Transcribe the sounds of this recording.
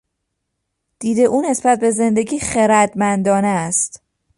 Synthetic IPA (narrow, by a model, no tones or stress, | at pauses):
d̪̥iːd̪e̞ʔuːne̞sbæt̪̚ʰbe̞ze̞nd̪e̞ɟiːxeɾæd̪mænd̪ɒːneːst̪